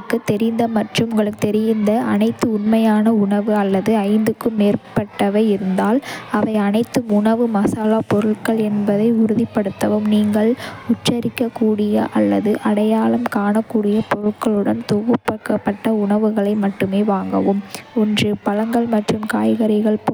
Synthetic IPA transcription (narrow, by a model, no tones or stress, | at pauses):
kːɯt̪ːɛɾɪnd̪ɐmɐʈrɯmŋɡɐɭɯkːɯt̪ɛɾɪjɪnd̪ɐɐ̰nɐɪt̪ːɯʊnmɐjaːnɐʊɳɐʋɯɐlːɐðɯɐɪnd̪ɯkːɯmeːrpɐʈːɐʋɐɪɪɾɯnd̪aːlɐʋɐɪɐnɐɪt̪ːɯmʊɳɐʋɯmɐsaːlaːpɔɾɯɭkɐɭɛnbɐðɐɪʊɾɯðɪpːɐɽɯt̪ːɐʋɯmniːŋɡɐɭʊʈt͡ʃːɐɾɪkːɐkːuːɽɪjɐ̰ʔɐlːɐðɯʔɐɽɐjaːlɐmkaːɳɐkːuːɽɪjɐpɔɻɯkːɐɭɯɽɐnt̪uɣɯpːɐkːɐpːɐʈːɐʊɳɐʋɯɣɐɭɐɪmɐʈːɯmeːʋaːŋɡɐʋɯmɔndrɯpɐlɐŋɡɐɭmɐʈrɯmkaːjɣɐɾɪɣɐɭpː